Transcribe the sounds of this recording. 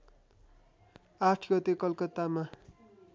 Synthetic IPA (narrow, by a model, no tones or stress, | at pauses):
aʈʰɡʌt̪ekʌlkʌt̪ama